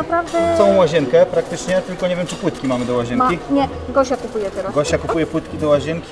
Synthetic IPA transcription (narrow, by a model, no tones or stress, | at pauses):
napɾavd̪ɛsɔ̃w̃waʑɛŋkɛpɾak̚t̪ɘt͡ʂɲɛt̪ɘlkɔɲevjɛmt͡ʂɘpwɘt̪kʲimamɘd̪ɔwaʑɛnŋmkʲiɲɛ | ɡɔɕakupujɛt̪ɛɾasɡɔɕt͡ɕakupujɛpwɘt̪kʲid̪ɔwaʑɛŋkʲi̥